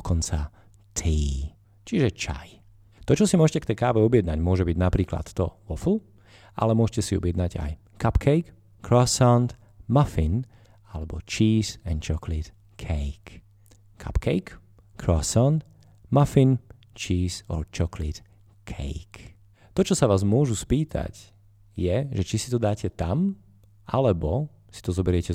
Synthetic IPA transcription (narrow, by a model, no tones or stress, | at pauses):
kɔnt͡sa | t̪ʰiː | t͡ʃiʒɛt͡ʃa̰j | t̪ɔt͡ʃɔsimʊɔʒɛcɛkt̪ɛjkaːʋɛɔbɪɛd̪naɟmʊɔʒɛbiɟnapɾiːkla̰t̪ːɔ̰ʋɔflu | ʔa̰lɛmʊɔʒcɛsiɔ̰bɪɛd̪naɟa̰j | kapkʰɛjk | kɾɔsaʊnt̪ | mafin | alɛbɔt͡ʃiːzɛnt͡ʃɔklit̪ | kʰɛjk | kʰa̰pkʰɛjk | kɾɔsant̪ | mafin | t͡ʃiːzɔ̰ɾt͡ʃɔklit̪ | kʰɛ̰jk | t̪ɔt͡ʃɔsaʋaːzmʊɔʒuspiːt̪ʰa̰c | jɛʒɛt͡ʃisi̥t̪ɔd̪aːcɛt̪am | ʔalɛbɔ | si̥t̪ɔzɔbɛɾɪɛcɛ